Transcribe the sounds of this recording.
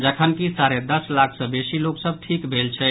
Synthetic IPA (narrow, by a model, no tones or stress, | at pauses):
d͡ʒəkʰənkisaɾed̪əslakʰsə̃besiloksəb̚ʈʰikbʱelt͡ʃʰɛ